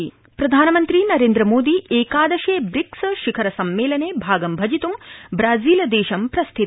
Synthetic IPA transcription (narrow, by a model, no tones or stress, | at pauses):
pɾɐd̪ʱaːnɐmɐnt̪ɾiːnɐɾeːnd̪ɾɐmoːd̪iːʔeːkaːd̪ɐʃeːbɾiksʃikʰɐɾɐsɐmːeːlɐneːbʱaːɡɐmbʱɐd͡ʒit̪umbɾaːziːlɐd̪eːʃɐmpɾɐst̪ʰit̪